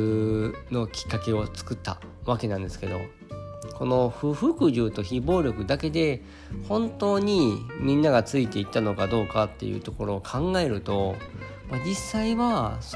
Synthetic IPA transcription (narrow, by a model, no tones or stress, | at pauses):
no̞kʲi̥kːake̞o̞t͡sɨ̥kɯ̟t̪ːa̰βake̞nãnd̪e̞sɨ̥ke̞d̪o̞̰ | ko̞no̞ɸɯ̟ɸɯ̟kɯ̟ʑɨːt̪o̞çibo̞ːɾʲjo̞kɯ̟d̪ake̞d̪e̞ | hõ̞nt̪o̞ːɲ̟imʲĩnːaɡat͡sɨit̪e̞it̪ːano̞kad̪o̞ːkat̪ːe̞̰jɯ̟̰t̪o̞ko̞ɾo̞ːkʰãŋɡae̞ɾɯ̟t̪o̞ | mad͡ʑisːaiβas